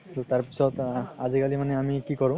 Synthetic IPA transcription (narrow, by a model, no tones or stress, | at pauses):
tutaɹpisɔtazikalimanɛamikikɔɹʊ̃